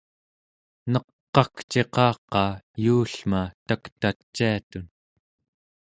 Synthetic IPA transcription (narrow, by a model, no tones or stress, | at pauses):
nʌqːɑkt͡ʃe̞qɑːqɑːjuːɬmat̪akt̪at͡ʃːiat̪un